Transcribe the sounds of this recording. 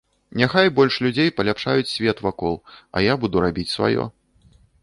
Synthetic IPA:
nʲaxajbɔlʲʂlʲud͡zʲejpɐlʲapʂajut͡sʲsʲvʲɛt̪vakɔlˠɐ̰jabud̪uɾabʲit͡sʲsva̰jɔ̰

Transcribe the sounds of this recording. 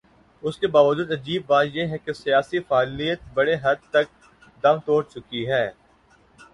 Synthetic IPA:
ʊskebaːʋəd͡ʒuːd̪ɐd͡ʒiːbːaːt̪jeɦɛkesijaːsifaːlijət̪̚bɐɽeɦɐd̪̚t̪ɐk̚ | d̪ɐmt̪oːɽt͡ʃʊkiɦɛː

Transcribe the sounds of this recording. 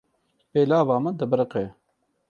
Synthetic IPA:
peːlaːvɑːməd̪əbəɾəqɛ

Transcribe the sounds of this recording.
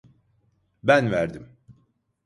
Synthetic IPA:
bænvæɾd̪im

